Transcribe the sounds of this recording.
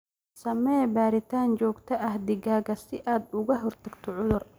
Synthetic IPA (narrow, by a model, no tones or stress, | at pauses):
sɐmɛbaːɾɪt̪ʰaːnt͡ʃɔːɡt̪ʰɐʔɐhd̪ɪɣaːɣɐsɪʔaːd̪ʊɣɐɦɔrt̪ʰɐɡt̪ʰɔʕʊðʊr